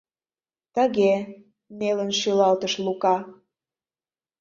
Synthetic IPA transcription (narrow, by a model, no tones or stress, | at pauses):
t̪əɣe | nelənʃylɑlt̪əʃlukɑ